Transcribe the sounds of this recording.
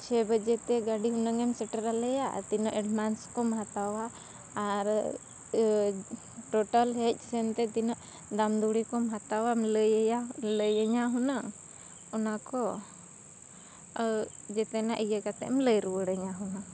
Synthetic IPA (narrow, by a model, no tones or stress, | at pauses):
t͡ʃʰɛbəd͡ʒɛt̪ɛɡaɖiɦunəŋɛmsɛʈəɾalɛja̰t̪inɔʔɛɖmanskɔmɦat̪awaː | ɾ | ʈoʈəlɦɛc̚ˀsɛnt̪ɛt̪inɔʔ | d̪amd̪uɽikɔmɦat̪awamləjjaləjəɲaɦuna | ɔnakɔ | d͡ʒɛt̪ɛnaʔəjəkat̪ɛ̰mləjɾuwəɽəɲaɦuna